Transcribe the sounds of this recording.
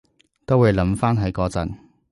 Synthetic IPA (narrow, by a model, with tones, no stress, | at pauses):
t̪o˥wːuː˨˧jlɐ˨˥mfaː˥nɦɐ˨˥jkɔː˨˧t͡sɐ̰˨n